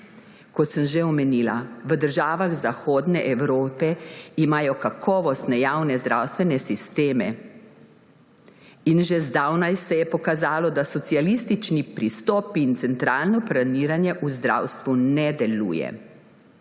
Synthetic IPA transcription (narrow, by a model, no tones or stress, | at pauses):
kɔt̪səmʒeɔmɛniːla̰ʋəd̪əɾʒaːʋaɣzaxoːd̪nɛʔɛwɾoːpɛimaːjɔkakʰɔːʋɔst̪nɛjawnɛzd̪ɾawst̪ʋɛnɛsist̪eːmɛ̰ | inʒezd̪awnajsɛjɛpɔkazaːlɔd̪asɔt̪sialist̪it͡ʃnipɾist̪ɔːpiːnt̪sɛnt̪ɾaːlnɔplaniːɾanjɛʔuzd̪ɾa̰wst̪ʋunɛd̪ɛlṵːjɛ̰